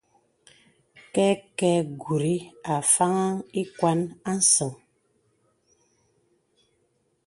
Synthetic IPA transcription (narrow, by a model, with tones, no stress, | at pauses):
kɛ˦kɛ˦ɡu˨ɾi˦a˨fa˦ŋa˦i˦kwa˦na˦n̩˦sɔ˨ŋ